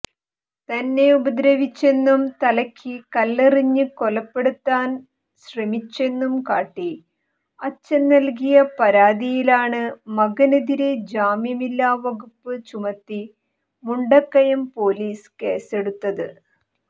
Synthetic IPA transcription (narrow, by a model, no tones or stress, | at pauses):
t̪ɐnːe̞ubɐd̪ɾɐʋit͡ɕːe̞nːumt̪ɐlɐkʲʰːikɐlːeriɲːɨko̞lɐpːe̞ɽut̪ːaːn | ɕrɐmit͡ɕːe̞nːumkaːʈːi | ɐt͡ɕːɐnːɐlk̬ijɐpɐɾaːd̪ijilaːɳɨmɐɡɐnɐðiɾed͡ʑaːmjɐmilːaːʋɐɣupːɨt͡ɕumɐt̪ːi | muɳɖɐkːɐjɐmpo̞ːliːske̞ːse̞ɽut̪ːɐðɨ